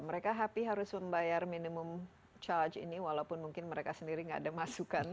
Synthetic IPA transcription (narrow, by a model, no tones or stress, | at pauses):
məɾekaɦapiɦaɾʊsməmbajarminimʊm | t͡ʃard͡ʒḭniwalaupʊnmuŋkɪnməɾekasəndiɾiŋɡadamasukan